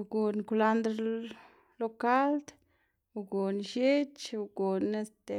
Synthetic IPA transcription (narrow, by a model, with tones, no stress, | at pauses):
ɡu˨nku˧la˦nd̪ɾ | lo˦ka˦ld̪ | u˧ɡu˨nʃje˦t͡ʃu˧˨ɡu˨ne˦st̪e˨